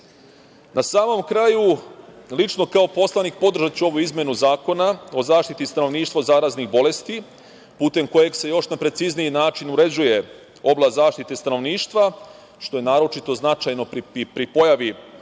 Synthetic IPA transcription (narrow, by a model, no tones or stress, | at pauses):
nasaːmo̞mkɾajulit͡ʃno̞kaopo̞slanikpo̞d̪r̩ʒat̪t͡ɕuo̞ʋuizmje̞nuzaːko̞nao̞zaːʃt̪it̪ist̪ano̞ʋniːʃt̪ʋozaːɾaznixbo̞le̞st̪i | puːt̪e̞mko̞je̞ɡse̞jo̞ʃnapɾe̞t̪siznijinaːt͡ʃinuɾe̞d͡ʑuje̞ | o̞blˠazaːʃt̪it̪est̪ano̞ʋniːʃt̪ʋa | ʃt̪o̞jenaːɾo̞t͡ʃit̪o̞znat͡ʃajno̞pɾipɾipo̞jaʋi